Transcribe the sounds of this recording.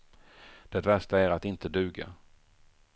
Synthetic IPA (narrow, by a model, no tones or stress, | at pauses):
d̪̥ɛt̪væʂʈaæɾat̪ɪnt̪əd̪ʉ̟ːɡa̰